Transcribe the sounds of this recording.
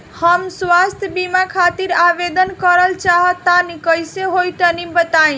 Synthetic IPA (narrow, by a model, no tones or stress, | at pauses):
həmswast̪ʰjəbimakʰat̪iɾabed̪ənkəɾəlt͡ʃaɦət̪ːanikəjseɦojt̪ənibət̪aĩ